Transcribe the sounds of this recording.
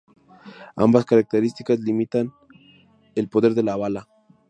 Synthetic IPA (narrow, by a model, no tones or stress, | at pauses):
a̰mbaskaɾak̚t̪eɾist̪ikazlimit̪an | elpo̞ðe̞ɾðe̞laːβala